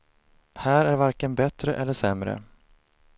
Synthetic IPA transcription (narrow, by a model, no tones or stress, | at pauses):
hæːɾæɾvaɾkənbɛt̪ɾəʔɛlːəʂɛmɾə̰